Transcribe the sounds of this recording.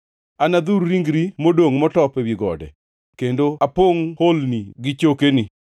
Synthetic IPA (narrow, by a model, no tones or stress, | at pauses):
anad̪uɾːiŋɡɾimodoŋmɔtɔpɛwiɡɔ̰dɛ̰ | kendoapoŋholniɡɪt͡ʃokenɪ